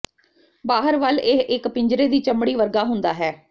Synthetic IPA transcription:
baːɦəɾʋəlɪʔɪkpɪɲd͡ʒɾeːd̪iːt͡ʃəmɽiːʋəɾɡaːɦʊnd̪aːɦɛː

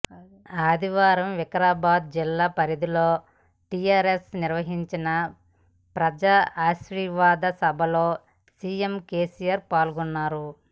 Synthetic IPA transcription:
aːd̪iʋaːɾɐmʋɛkɐɾaːbaːd̪̚d͡ʒilːaːpɐɾid̪ilo̞ː | ʈijaːɾesniɾʋɐɦiɲt͡ʃinɐ | pɾɐd͡ʒaːʔaːʃɾiʋaːd̪ɐsɐbʱɐlo̞ː | siːemke̞ːsijaɾpaːlɡunːaːɾu

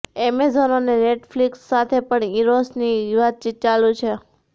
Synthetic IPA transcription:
emezɔnoneneʈfliksːat̪ʰepəɳiɾosnijʋad̪̚t͡ʃit̪̚t͡ʃalũt͡ʃʰe

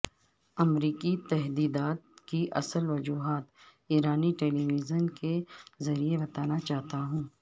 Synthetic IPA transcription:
ɐmɾiːkit̪ɛɦd̪iːd̪aːt̪̚kiʔɐ̰səlʋɐd͡ʒuːɦaːt̪ | iːɾaːniʈeːliːʋiːzənkezɐɾiebɐt̪aːnat͡ʃaːt̪aɦũː

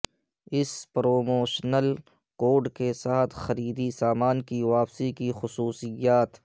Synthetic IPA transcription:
ɪspɾoːmoːʃnəl | koːɾɖkesaːt̪ʰxɐɾiːd̪isaːmaːnkiʋaːpsikixʊsuːsɪjaːt̪

